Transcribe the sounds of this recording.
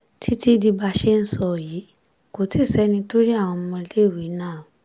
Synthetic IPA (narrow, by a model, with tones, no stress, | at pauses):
tʰi˦ti˦di˧ba˧ʃe˦n̩˦sɔ˧˨jiː˨˦ | ko˨˦ti˦˨sɛ˨˦nĩ˧to˦ɾi˦a˦˨w̃ɔ̃˧m̩˧mɔ̃˧le˦˨wi˨˦nãː˦˨õ˨